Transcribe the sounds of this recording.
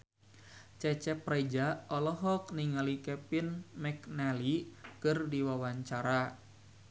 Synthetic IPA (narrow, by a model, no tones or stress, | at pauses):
t͡ʃɛt͡ʃɛprad͡ʒaɔlɔɦɔk̚niŋalikɛpinmɛknalikɨrdiwawaɲt͡ʃaɾa